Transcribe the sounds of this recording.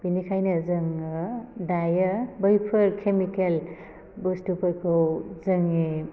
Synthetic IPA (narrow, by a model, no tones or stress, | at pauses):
b̥inikʰajnɯzɯŋ | dajəbəjpʰɯɾkʰemikel | bostupɯɾkʰɯwzɯŋe